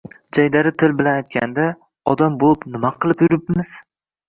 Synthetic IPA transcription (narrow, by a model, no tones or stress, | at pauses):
d͡ʒajd̪aɾɪt̪ʰɪlbɪlanajt̪̚kʲand̪a | ɒd̪ambolˠɪpnɪmaqʰɨlˠɪpjʊɾɪpmɪz̥